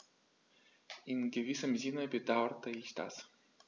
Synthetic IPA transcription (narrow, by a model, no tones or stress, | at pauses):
ʔɪnɡəvɪsəmzɪnəbədaʊtʰəɪçd̥a̰s